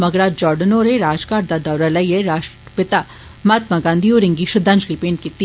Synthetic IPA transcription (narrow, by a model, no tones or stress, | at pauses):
mɐɡɾaːd͡ʒɔːɾɖənoːɾeɾaːd͡ʒkaːɾd̪ad̪ɐwɾɐlɐjeɾaːʃəpɪt̪a | mat̪maɡãːnd̪ioːɾɪ̃ŋɡiʃʊd̪ãnd͡ʒlipeːnkit̪i